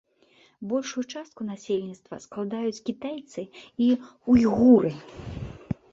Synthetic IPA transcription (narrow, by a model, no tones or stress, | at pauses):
bɔlʲʂujut͡ʂast̪̚kunasʲelʲnʲit̪st̪vɐ̰sklˠad̪ajut͡sʲkʲit̪ajt̪sɨiujɣuɾɨ